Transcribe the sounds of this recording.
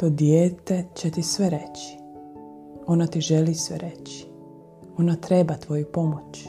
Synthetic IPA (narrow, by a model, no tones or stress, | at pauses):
t̪od̪jeːt̪et͡ɕet̪isʋeɾet͡ɕi̥ | o̞nat̪iʒelisʋḛɾet͡ɕi̥ | o̞nat̪ɾebat̪ʋo̞jupo̞mot͡ɕ